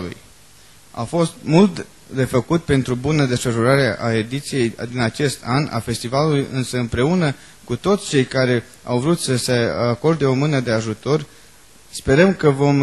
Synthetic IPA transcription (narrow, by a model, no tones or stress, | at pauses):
lṵj | a̰fo̞st̪̚mult̪ | d̪e̞fəkut̪̚pe̞nt̪ɾubunəd̪e̞sfəʃuɾaɾeʔae̞d̪it̪sije̞jd̪inat͡ʃe̞st̪ana̰fe̞st̪ivalulujʔɨnsəɨmpɾe̞unə | kut̪o̞t̪sʲt͡ʃe̞jkaɾe̞ | a̰wvɾut̪səse̞ako̞rd̪e̞o̞mɨnəd̪e̞aʒut̪o̞r | spe̞ɾəmkəvo̞m